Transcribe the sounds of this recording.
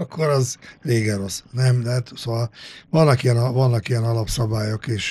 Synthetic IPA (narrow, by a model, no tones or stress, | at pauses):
ɒkʰːoɾɒzreːɡɛɾo̞snɛmd̪ɛat̪soːʋɒlvɒnːɒkijɛnɒvɒnːɒkijɛnɒlɒpsɒbaːjokeːʃ